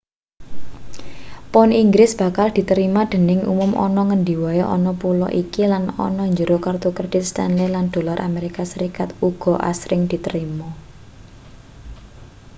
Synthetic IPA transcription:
pɔniŋɡɾɪsb̥ä̤kald̪̥i̤t̪əɾimad̪̥ə̤nɪŋṵmʊmʔɔ̰nɔŋəndi̤waeʔɔ̰nɔpulɔ̰ʔikilanɔ̰nɔɲd͡ʒəɾokard̪okəd̥ɪt̪̚st̪ɛnliland̪̥o̤laɾʔameɾikasəɾikat̪uɡ̥ɔ̤ʔa̰sɾʔɪŋd̪̥i̤t̪əɾimɔ

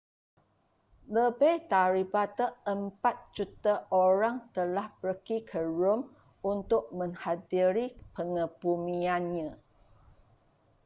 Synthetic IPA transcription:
ləbajt̪aɾibat̪əəmpat̪̚d͡ʒut̪aʔoɾaŋt̪əlahbəɾəkikʰəɹʊm | unt̪ʊʔ̚mə̃ŋhadiɾipəŋəpumĩanɲã

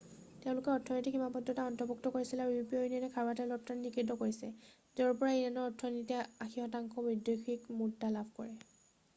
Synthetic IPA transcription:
tɛʊ̃lʊkɛɔtʰɔnɔjtikhimapɔdɔtaɔntɔbuk̚tɔkoɹisilɛaɹpioinianɛkʰaɹatɛlɔp̚tannikɹidɔkoɹisɛ | zɛɔɹpɔɹaeanɔɔtʰːɔntɛaxihɔtaŋkɔbidjɔjkʰikmutːalabʱkɔ̰ɹɛ

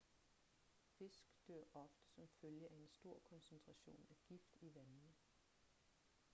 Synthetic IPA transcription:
fe̝sɡ̥d̥øɐ̰ʔɒ̽fd̥ə̥sɒ̽mføljəʔæe̝nsd̥o̝ɐ̰kʰɒ̽nsent͡sʰʁɑ̈ɕo̝̰ːnæɡ̥ifd̥iʋænn̩ə

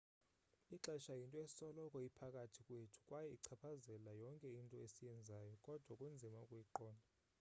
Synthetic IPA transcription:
iǁɛʃajintʼɔe̥sɔlɔkʼɔjipʰakʼatʰikʼwetʰu̥kʼwajɛiǀʰapʰazɛlajɔŋkʼɛintʼɔesijɛnd͡zʱaːjɔkʼɔd̥ʱwakʼund͡zʱimaukʼujiǃɔːnʱa

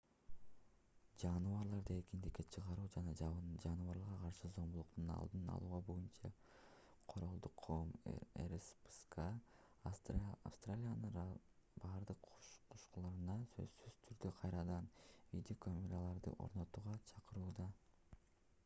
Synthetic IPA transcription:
d͡ʒɑnvɑɾlˠɑɾd̪ɯe̞kind̪ikkːe̞t͡ʃʰɯʁɑɾuːd͡ʒɑnɑd͡ʒɑd͡ʒɑnɯvɑɾlˠɑʁɑqʰɑɾʃɯzo̞mbulˠuqt̪unɑ̰lˠd̪ɯnɑ̰lˠuːʁɑbo̞junt͡ʃɑ̰ | qʰo̞ɾolˠd̪uqʰːom̰ḛɾspɨ̥skɑ | a̰fst̪ralʲijanɯnbɑɾd̪ɯqqʰuʃqulˠɑɾɯnɑsø̞̰zsːyz̥t̪ʰyɾd̪øqʰɑjɾɑd̪ɑnvʲid̪ʲokʰomʲeɾalˠɑɾd̪ɯ̰ʔo̞̰ɾno̞t̪uːʁɑt͡ʃʰɑqɯɾuːd̪ɑ

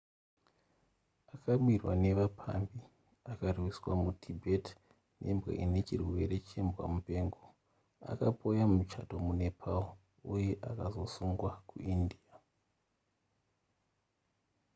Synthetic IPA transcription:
akaɓwirwa̰ne̞ʋapʰa̰mbi | akarwiswamutʰibʱet | nʔe̞̰mbɣḛʔine̞t͡ʃirwe̞ɾe̞t͡ʃe̞mbwa̰mupe̞ːŋɡo̞ | a̰kapʰo̞jamut͡ʃato̞mune̞pʰao | uje̞ʔakazo̞suŋɡwakṵindia

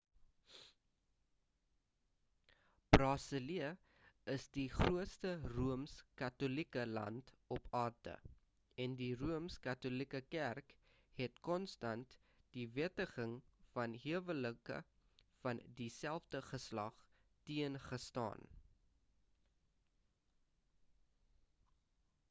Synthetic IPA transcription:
b̥rɑːsəliə | əsdiχruətstəruəmskɐtolikəlɐ̰ntɔpʰɑːrdə̰ | ɛndiruəmskɐtolikəkærk | hɛtkɔnstɐnt | d̥iviətəχəŋfɐnɦiəvələkə̰ | fɐndisælˠfdəχəslɐ̰χ | tiənχəstɑ̰ːn

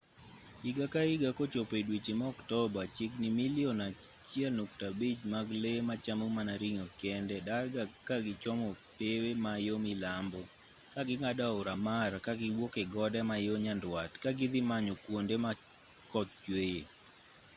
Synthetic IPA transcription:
ɪɡakaɪɡakot͡ʃopedwit͡ʃemaɔktɔbat͡ʃɪknɪmiliɔnat͡ʃjɛlnok̚tabid͡ʒmaɡlemat͡ʃamomanaɾiŋokɛndɛdaɡakaɡɪt͡ʃɔmɔpewemajomɪlambɔ | kaɡɪŋadaʊɾamarkaɡɪwokeɡɔdɛmajoɲandwatkaɡɪd̪ɪmaɲokwondema | kɔt̪̚t͡ʃweje

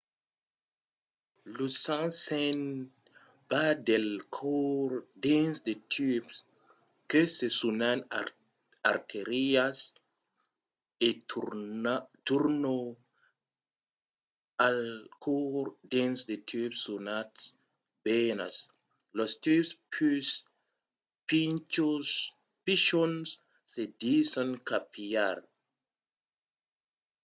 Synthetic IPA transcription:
lusãnsen | badelkʰoɾdensdetʰyps | kesesunan | aɾtʰeɾias | e | tuɾno | alkʰoɾd̪ensd̪et̪ʰypsːunats | bena̰s | lost̪ypspys | pint͡ʃos | piʃons | sed̪isankapʰiaɾ

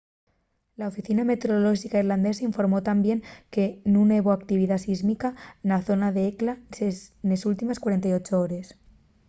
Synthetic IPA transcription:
laofiθiname̞t̪eɾoloʒikaiɾland̪esaiɱfo̞ɾmot̪ambje̞ŋke̞nuneβoak̚t̪iβ̞iðasizmikanaθonaðeeklasenesult̪imeskwaɾent̪ajot͡ʃooɾes

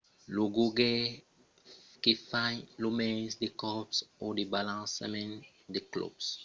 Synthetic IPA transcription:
loɡoɡe | kefãjlomɛ̃sdekɔpsɔdebalãsḛmɛ̃n | deklɔ̰bs

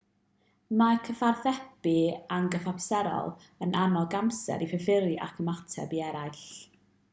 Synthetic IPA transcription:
makʰəfarθɛpianɡəfapsɛɾɔ̰lˠ | ənʔanɔlˠɡamsɛ̰ɾifəfɪɾɨʔakʰəmatʰɛ̰biɛɾajɬ

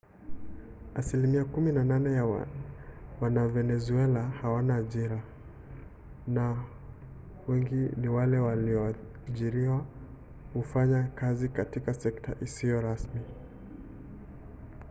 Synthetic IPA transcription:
asilimiakuminananɛjawa̰ | wanavɛnɛzuɛlahawanaːʄiɾa | na | wɛŋɡiniwalɛwaliɔ | ʄiɾiwa | hufaɲakazikatikasɛktʰa̰ʔisijɔɾasmi

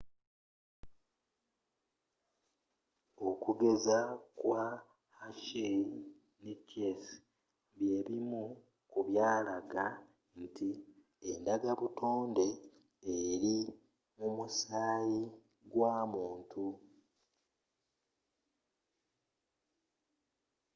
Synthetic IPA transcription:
o̞kuɡezakwa | haʃe | necːes | βje̞ɾimu | kuβjaːlaɡa | n̩ti | endaɡaβutʰoːnde̞ː | ɾi | mumusaːji | ɡwaːmuːntʰu

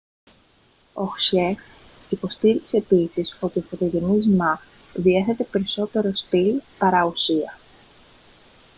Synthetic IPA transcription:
o̞xsex | ipo̞st̪iɾikse̞ːpisiso̞t̪iofot̪oʝenizmɐ | ðie̞θe̞t̪e̞pe̞ɾiso̞t̪e̞ɾo̞st̪ilpɐɾɐusiɐ

